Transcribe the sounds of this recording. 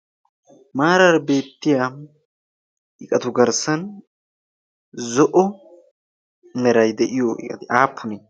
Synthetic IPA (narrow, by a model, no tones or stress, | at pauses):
maːɾɐɾbe̞ːt̪ːɪjaː | ʔɪkʼɐt̪ʊɡɐɾsɐn | zɔʔɔ | mɛɾɐjd̪ɛʔɪjoʔɪ̰kʼɐt̪ɪʔaːpʰːʊneː